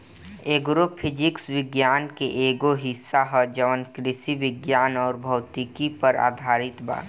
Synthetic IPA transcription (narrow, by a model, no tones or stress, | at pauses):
eːɡɾopʰɪd͡ʒɪksʋɪɡjaːnkeʔeːɡoɦɪsːaɦɔd͡ʒəʋənkɾɪsiʋɪɡjaːnɔːɾbʱɔːt̪ikipəɾa̰ːd̪ʱaːɾɪt̪ba̰ːɾ